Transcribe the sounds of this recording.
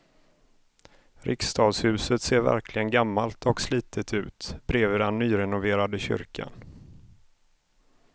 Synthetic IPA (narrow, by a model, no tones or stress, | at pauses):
ɾʔɪ̰kst̪ʰɑːd̪shʉ̟ːsət̪seːɾvæ̰ɾkʰlɪɡənɡamːalt̪ʰɔksliːt̪ʰət̪ʰʉ̟̰ːt̪b̥ɾeːvəd̪ɛnːyːɾɛnʊveːɾad̪əɕʏ̰ɾkʰa̰n